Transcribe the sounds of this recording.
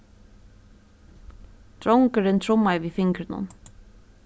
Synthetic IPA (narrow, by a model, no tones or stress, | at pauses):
t̪ɾɔŋkəɾɪnt̪ʰɾʊmːajvifɪŋkɾɪnʊ̰n